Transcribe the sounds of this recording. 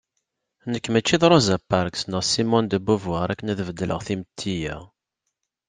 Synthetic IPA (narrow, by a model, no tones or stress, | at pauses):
nəkːmæt͡ʃːiðˤɾˤozæpːaɾksnəʁsimɔnd̪əbuvwaʁɾækːənæðvəd̪ːəlʔə̰ʁθimət̪ʰːijæ̰